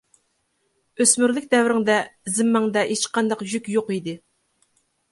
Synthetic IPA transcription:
øsmyɾlɪkʲd̪ɛvɾɪŋd̪ɛzɪmːɛŋd̪ɛet͡ʃqɑnd̪ɑqʒykʲjoqid̪ɪ

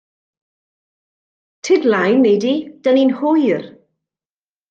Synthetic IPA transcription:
tʰɪdlajnːejdid̥əninhʊjr

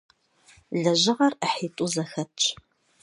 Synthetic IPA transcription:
ɮɐʑɪʁɐrəħiːtʼuzɐxɐtt͡ʃʰʼ

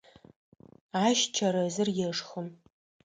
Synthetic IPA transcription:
aːʃt͡ʃʰɐɾɐzɨrjɛʂxəm

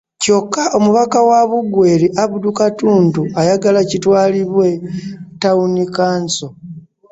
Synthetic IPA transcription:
co̞kːaʔomuβakawaβuɡwe̞ɾiʔaβudukatuːntuajaɡalacitwaːliβwe̞taunikaːnso̞

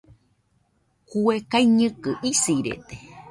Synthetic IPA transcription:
kuekaiɲɨ̃kɨʔisiɾḛt̪e̥

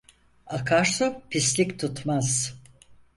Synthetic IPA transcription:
akʰaɾsopʰislʲikʲt̪ʰut̪maz̥

